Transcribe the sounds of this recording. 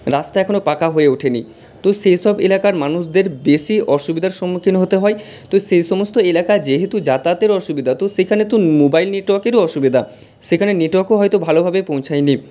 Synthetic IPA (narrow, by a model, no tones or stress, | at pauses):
ɾast̪aɛkʰonopakaɦoeuʈʰenḭ | t̪oʃejʃɔbelakaɾmanuʃd̪eɾbeʃiʔɔʃubid̪ʱaɾʃɔmːokʰinɦot̪eɦɔe | t̪oʃejʃɔmost̪oelakad͡ʑeɦet̪ud͡ʑat̪at̪eɾɔʃubid̪ʱat̪oʃekʰanet̪omobajlneʈwɔkeɾoɔʃubid̪ʱa | ʃekʰaneneʈɔkoɦɔjt̪obʱalobʱabepõw̃t͡ɕʰajni